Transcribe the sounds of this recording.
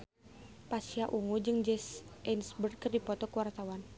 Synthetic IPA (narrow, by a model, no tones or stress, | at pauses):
pasiaʔuŋud͡ʒɨŋd͡ʒɛsʔɛnsbər̚kɨrdipɔt̪ɔkəwart̪awan